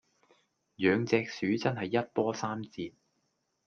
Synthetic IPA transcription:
jœː˨˧ŋt͡sɛː˧k̚syː˨˥t͡sɐ˥nɦɐ˨jːɐ˥t̚pɔː˥saː˥mt͡siː˧p̚

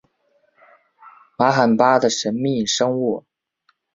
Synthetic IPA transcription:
ma˧˥xa˨˩npa˥d̪ə˨ʂə˧˥nmi˥˩ʂɤ˥ŋu˥˩

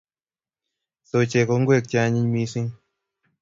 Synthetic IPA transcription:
so˨t͡ʃe˨ko˨˧˦ŋɡwe˦˨k̚t͡ʃa˧˦ɲi˦ɲmi˧˦si˦ŋ

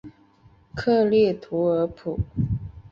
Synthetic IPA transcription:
kʰɤ˥˧ljɛ˥˩t̪ʰu˧˥ə˞˧˥pʰu˨˩˦

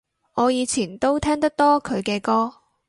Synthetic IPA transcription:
ŋɔː˨˧jiː˨˧t͡sʰiː˨˩nt̪o˥wt̪ʰɛː˥ŋt̪ɐ˥k̚t̪ɔː˥kʰɵ˨˧ɥkɛː˧kɔː˥

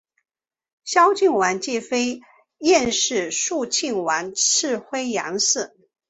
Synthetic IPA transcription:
ɕjɑ˥ʊt͡ɕi˥˩ŋwa˧˥nt͡ɕjɛ˥˩fe˥ɪ | jɛ˥˧nʂɻ̩˥˧ʂu˥˧t͡ɕʰi˥˩ŋwa˧˥nʈ͡ʂʰɻ̩˥˧xwe˥ɪjɑ̰˧˥ŋsɹ̩˥˩

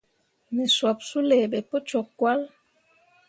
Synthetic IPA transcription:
nɛ˨swa˨p̚su˦lɛ˨bɛ˨po˦t͡ʃɔ˨kːwa˦l

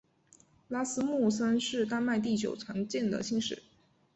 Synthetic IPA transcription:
la˥sɹ̩˥mu˥˩sə˥nʂɻ̩˥˩t̪a˥˧nma˥˧ɪt̪̬i˥˩t͡ɕjo̰˨˩ʊt͡sʰwa˧˥nt͡ɕjɛ˥˩nd̪ə̰˨ɕi˥˧ŋʂɻ̩̰˨˩˦

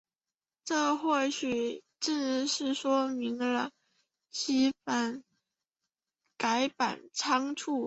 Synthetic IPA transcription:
ʈ͡ʂɤ˥˧xwɔ˥˩ɕʰy˨˩ | ʈ͡ʂ̩˥˧˥ʂɻ̩˥˩ʂwɔ˥mi˧˥ŋlə˧ | t͡ɕʰi˥fa˧˥n | ka˧˥ɪpa̰˨˩nʈ͡ʂʰɑ˥ŋʈ͡ʂʰu˥˩

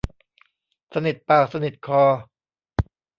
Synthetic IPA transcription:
sa˧ni˨˩t̪̚paː˨˩k̚sa˧ni˨˩t̪̚kʰɔː˧˩

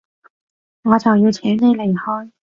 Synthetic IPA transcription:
ŋɔː˨˧t͡sɐ˨˩wjiː˧wt͡sʰɛː˨˥ŋt̪e˨˧le˨˩jhɔː˥j

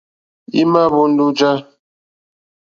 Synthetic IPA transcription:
i˦ma˦bu˦n̩˦du˦d͡ʒa˦

